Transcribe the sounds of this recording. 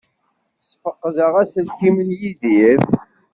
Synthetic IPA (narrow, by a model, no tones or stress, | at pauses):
sfəqːðəʁæsəlkimənjiðif